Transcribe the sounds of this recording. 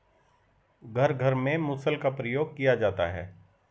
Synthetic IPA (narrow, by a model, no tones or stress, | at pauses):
ɡʱɐɾɡʱɐɾmẽmʊsəlkapɾəjoːɡ̚kijad͡ʒaːt̪a̰ɦɛ̰ː